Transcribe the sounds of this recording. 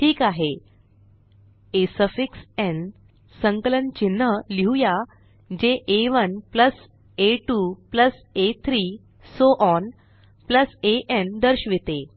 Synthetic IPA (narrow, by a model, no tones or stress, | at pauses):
ʈʰiːkaɦe | esəfiksɛ̃n | sə̃ŋkələnt͡ɕin̤ːəliɦuja | d͡ʑeʔeʋənpləs | eʈupləset̪ʰɾiː | soʔɔn | pləseʔend̪əɾɕʋit̪e